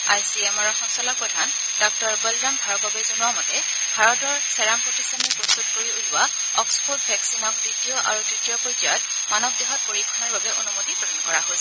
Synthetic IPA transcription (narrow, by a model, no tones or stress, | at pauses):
ajsiɛmaɹɔxɔnsɔlapɹɔdʱan | dɔk̚tɔɹbɔldambʱaɹɔt̚babɛzɔnuamɔtɛ | bʱaɹɔtɔɹsɛɹampɹɔtisɔnipɹɔstutkoɹiulʊwa | ɔkspʰot̚bʱɛksinɔk̚ditijɔʔa̰ɹuditijɔpɔtɔjɔt | manɔb̚dɛɦɔt̚poɹikʰːɔnaɹbabɛʔonumotipɹɔdankɔɹaɦojs